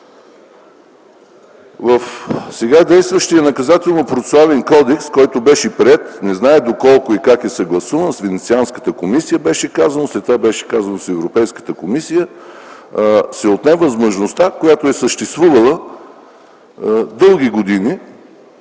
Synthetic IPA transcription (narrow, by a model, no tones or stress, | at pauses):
vəfsɛɡad̪ɛjst̪vəʃt̪ijənɐkɐzat̪ɛlˠnopɾosavɛnkɔd̪ɛkskɔjt̪obɛʃipɾɛt̪nɛznaɛd̪okɔlˠkoikakɛsɐɡlˠɐsuvənsvɛnɛt̪sianskə̥t̪əkomisijəbɛʃɛkazənoslɛt̪ːvabɛʃɛ̥kazənosɛvɾopɛjskə̥t̪əkomisijə | sɛot̪nɛvəzmoʒnost̪akojat̪oɛsəʃt̪ɛst̪vuvəlˠə | d̪ɤlˠɡ̟iɡod̪ini